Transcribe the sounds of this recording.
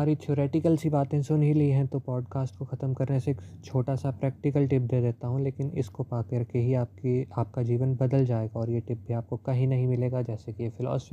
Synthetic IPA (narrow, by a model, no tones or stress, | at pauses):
aːɾit̪iːɾeːʈɪkəlsibaːt̪ɦɛ̃sʊnɦilɐiɦɛ̃t̪opɔːɖkaːsʈ̚koxɐt̪əmkɐɾneseːkt͡ʃʰoːʈasapɾɛːk̚ʈɪkəlʈɪp̚d̪eːd̪eːt̪aɦũleːkɪnɪ̰skopaːkɐɾkeɦiaːp̚kiaːp̚kad͡ʒiːʋənbɐd̪əld͡ʒaːeːɡaɔːɾjeʈɪp̚bʱiaːp̚kokɐɦĩnɐɦĩmɪleːɡad͡ʒɛːsekiefɪlɔ̰ːsfi